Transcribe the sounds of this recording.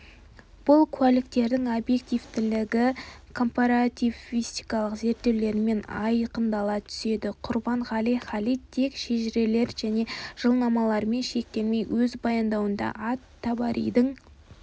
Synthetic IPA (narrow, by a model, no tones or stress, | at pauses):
b̥ʊlˠkʲʰwælɪkt̪e̞ɾd̪ɪŋobje̞k̚t̪ijvt̪ɪlɪɡʲɪkʰo̞mpaɾat̪ʲivist̪ijkɑlˠəqze̞ɾt̪ːe̞wle̞ɾme̞nɑ̰jqənd̪ɑlˠɑt̪ʰʏ̥se̞d̪ɪqʰʊɾbɑɴʁɑlijχɑlijt̪t̪ʰe̞kʃeʒɪɾe̞le̞ɾʒ̥æne̞ʒ̥əlˠnɑmɑlˠɑɾme̞nʃe̞k̚t̪e̞lme̞jwɵzbɑjɑnd̪ɑwənd̪ɑ̰ʔɑt̪ʰːɑbɑɾḛjd̪ɪŋ